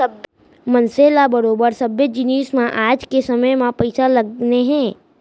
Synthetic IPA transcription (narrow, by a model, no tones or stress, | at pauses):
ɐb | mɐ̃nseːlabɐɾoːbəɾsɐbjəd͡ʒɪniːsmãʔaːd͡ʒkesɐməjmãpɐɪsalɐɡneɦɛ̃ː